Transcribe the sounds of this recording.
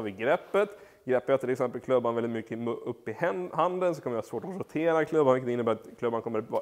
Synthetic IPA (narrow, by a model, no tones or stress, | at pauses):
ɑɾvɪɡɾɛpːət̪ | ɡɾɛpːjat̪ʰːɪlɛksɛmpəlkʰlɵbːanvɛlːɪt̪mʏkːəmɵpːɪhand̪əns̬ɔkʰɔmːəjahɑsvoːʈɔɾʊt̪ʰeːɾakʰlɵbːanvɪkːət̪ɪnːəbæːɾat̪kʰlɵbːankʰɔmːəɾvɑ